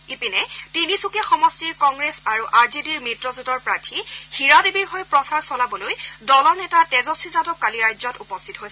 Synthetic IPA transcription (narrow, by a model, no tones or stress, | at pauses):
ipinɛtinisukɛxɔmɔstiɹkɔŋɡɹesaɹuʔaɹzediɹmitɹɔzutɔɹpɹaɹtʰixiɹadebiɹɦojpɹɔsaɹsɔlabɔlojdɔlɔɹnɛtatɛzɔsizatɔkːaliɹajzɔtupɔstʰitɔɦojsɛ